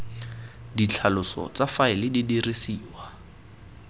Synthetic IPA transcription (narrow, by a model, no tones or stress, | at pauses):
dit͡ɬʰalʊsɔ̰t͡safaɪlɪdidirisiːwa